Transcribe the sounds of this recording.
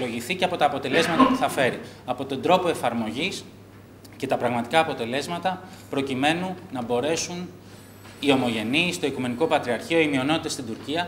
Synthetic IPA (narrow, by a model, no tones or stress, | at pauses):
lo̞ʝiθiceɐpo̞t̪ɐːpo̞t̪e̞le̞zmɐt̪ɐpuθɐfe̞ɾi | ɐpo̞t̪o̞nd̪ɾo̞po̞e̞fɐɾmo̞ʝis | ce̞t̪ɐpɾɐɣmɐt̪i̥kɐːpo̞t̪e̞le̞zmɐt̪ɐ | pɾo̞cime̞nuːɐbo̞ɾe̞sun | io̞mo̞ʝe̞niːst̪o̞ikume̞nikopɐt̪ɾiɐɾçio̞imio̞not̪it̪est̪ind̪uɾciɐ